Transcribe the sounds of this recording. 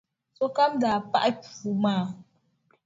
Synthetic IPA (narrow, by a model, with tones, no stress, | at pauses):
sɔ˦ka˦mda˨pa̰˦ʔpu˨ma˦˨